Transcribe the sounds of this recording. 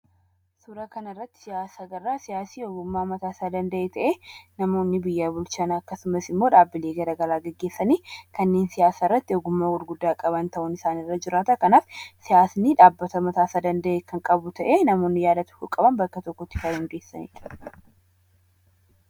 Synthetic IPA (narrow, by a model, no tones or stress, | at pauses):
suːɾɐkɐnɐrːɐt̪ːɪ̥sɪjaːsaːɡɐrːaːsɪjaːsiːɔɡʊmːaːmɐt̪aːsaːd̪ɐnd̪ɐʔeːt̪ɐʔeːnɐmo̞ːnːɪbɪjːaːbʊlt͡ʃaːnɐɐkːɐsʊmɐsɪmːoːᶑaːbːɪleːɡɐɾɐɡɐlaːɡɛɡːe̞ːsːɐniːkɐnːe̞ːnsɪjaːsaːɪrːɐt̪ːɪɔɡʊmːaːwɔɾɡʊd̪ːaːkʼɐbɐnt̪ɐʔʊnɪsaːnɪrːɐd͡ʒɪɾaːt̪ɐkɐnaːfsɪjaːsniːᶑaːbːɐt̪ɐmɐt̪aːsaːd̪ɐnd̪ɐʔeːkɐŋkʼɐbʊt̪ʰɐʔeːnɐmo̞ːnːɪjaːd̪ɐt̪ʊ̥hʊkʼɐbɐnbɐkːɐt̪ɔkːɔt̪ːɪ̥faɪŋɡeːsːɐnḭːᶑɐ